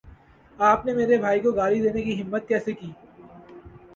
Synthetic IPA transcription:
aːpnemeːɾebʱaːikoɡaːlid̪eːnekiɦɪmːət̪̚kɛːsekiː

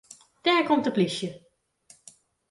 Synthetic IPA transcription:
d̥ɛɹkɔmtəplisjə

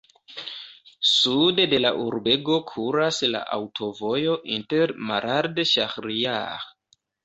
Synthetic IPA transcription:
sudede̞la̰ʔuɾbeɡokʰuɾasla̰ʔa̰wtʰo̞vo̞jo̞ʔinteɾmaɾʔaɾdʃaxɾia̰

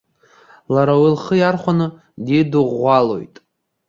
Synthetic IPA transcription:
laɾawilχəjarχʷanɨ | dedɨʁʷalo̞̰jtʼ

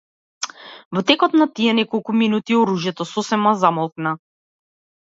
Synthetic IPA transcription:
vɔt̪ɛkɔt̪nat̪iɛnɛkɔlˠkuminut̪iɔɾuʒjɛt̪ɔsɔsɛmazamɔlˠkna

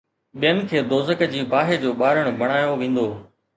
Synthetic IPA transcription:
ɓijənɪ̆kʰeːd̪oːzəkd͡ʑiːbaːɦed͡ʑoːɓaːɾəɽ̃bʱɐɽ̃aːjoʋẽːn̆d̪oː

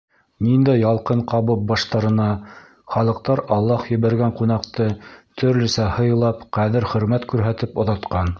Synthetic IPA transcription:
nind̪æjɑlˠqɤɴqɑβɤp̚bɑʃt̪ɑɾɤ̆nɑ | χɑlˠɤ̆q̚t̪ɑɾɑlˠːɑhjɘ̆βæɾɡæɴqun̪ɑqt̪ɤt̪ʰɵ̆ɾlɘ̆sæhɤ̆jɤ̆lˠɑpqæðɘɾχɵ̆ɾmæt̪kʉɾɦæt̪ɘpŏðɑt̪qɑn

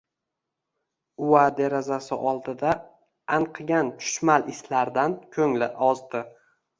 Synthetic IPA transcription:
ʊwad̪eɾazasɪʔɒlˠd̪ɪd̪a | aɴqʰɨɡʲant͡ʃʰʊ̥ʃmalɪslaɾd̪ankʲʰɵŋlɪʔɒzd̪ɪ

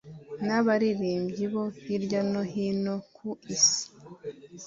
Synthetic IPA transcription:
naβaɾiɾiːmbɟiβo̞hiɾɟano̞ɦinokʰuisi̥

